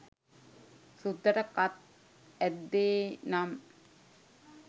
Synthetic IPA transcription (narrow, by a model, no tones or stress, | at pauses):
sud̪əɾɐkat̪̚ | ɛd̪ːeːnam